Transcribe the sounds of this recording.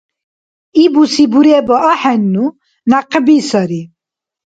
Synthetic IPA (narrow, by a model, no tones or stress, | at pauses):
ibusibuɾebɔʔɔħɛnːu | naqəbisɔɾi